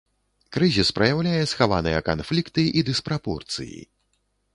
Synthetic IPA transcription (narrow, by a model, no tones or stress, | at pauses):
kɾɨzʲispɾɐjawlʲajɛsxavanɨjɐka̰nflʲikt̪ɨʔid̪ɨspɾapɔrt̪sɨ̰jḭ